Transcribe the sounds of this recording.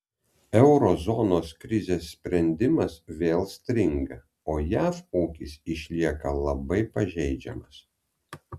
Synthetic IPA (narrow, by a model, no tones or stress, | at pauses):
ɛʊɾɔzɔnoːskɾʲɪzʲeːsːʲpʲɾʲɛnʲd̪ʲɪmɐsʋʲeːlˠsʲt̪ʲɾʲɪŋɡɐ | oːjæːfuːkʲisɪʃʲlʲiɛkɐlˠɐbɐɪpɐʒʲɛɪd͡ʒʲɛ̰mɐs